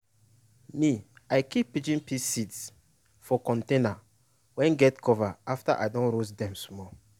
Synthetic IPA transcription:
miajkipːit͡ʃĩnpisits | fɔkɔ̃ntẽna | wɛ̃nɡɛtkʰɔvaaftaʔa̰jdõnɾosdɛ̃msmɔ

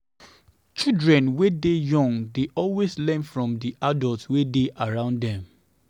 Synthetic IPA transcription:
t͡ʃidɹɛ̃nwedejɔ̃ŋdeʔɔlweslɛ̃nfɹɔ̃mdiʔadɔltwedeʔaɹãʊ̃ndɛ̃m

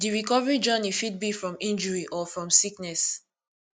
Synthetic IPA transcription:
diɹikɔvəɹid͡ʒanifid̚bifɹɔ̃mĩnd͡ʒɔɹiʔɔfɹɔ̃msiknɛs

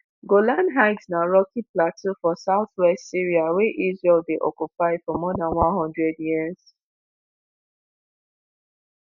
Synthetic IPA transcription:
ɡolãnɦaɪɡsnaɹɔkiplatofɔsaʊθwɛstsiɹiaweʔizɹɛldeʔɔkupaɪfɔmɔdãnwãnɦɔ̃ndɹɛdjiəz̥

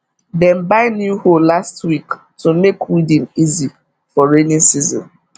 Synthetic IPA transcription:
dɛ̃nbaɪnjuhollastwik | tʰumekwidĩnizi | fɔɹenĩnsizɔ̰̃n

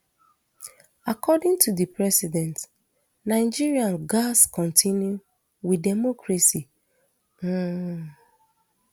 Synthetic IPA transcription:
akɔdĩŋtʰudipɹɛsidɛ̃nt | naɪd͡ʒiɹiãnɡaskɔ̃ntʰĩnju | widɛmɔkʰɹasi

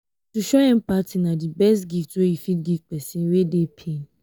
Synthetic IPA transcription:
tuʃoɛ̃mpatinãdibɛstɡiftojifitɡifpɛsĩnwedepʰẽn

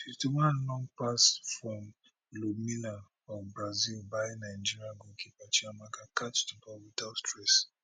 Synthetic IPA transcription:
fitumãlɔ̃ŋpasfɹɔ̃m | lomina | ɔbɹazilbaɪnaɪ̃nd͡ʒiɹiãɡõkʰipat͡ʃiamakakat͡ʃtubɔwidatstʰɹɛs

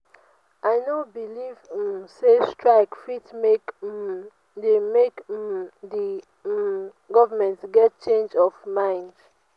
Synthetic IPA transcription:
ʔaɪnobilivsestɹaɪkfitmek | demekdi | ɡɔvəmɛ̃ntɡɛt̚t͡ʃẽnd͡ʒɔvmãɪ̃nd

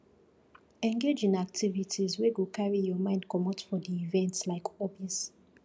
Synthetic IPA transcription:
ɛ̃ŋɡed͡ʒĩnak̚tʰivitʰizweɡokʰaɹijɔmãɪ̃ndkʰɔmɔtfɔdiːvɛ̃ntslaɪkʰɔbiɛ̃s

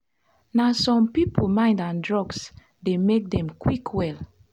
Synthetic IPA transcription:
nasɔ̃mpipolmãɪ̃ndãndɹɔɡs | demek̚dɛ̃mkwikʰwɛl

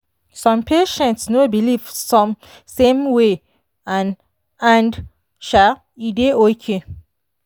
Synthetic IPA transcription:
sɔ̃mpʰeʃɛ̃ntsnobiliv̥sɔ̃m | sẽmwe | ãn | ãnd | ʃa | ideokʰe

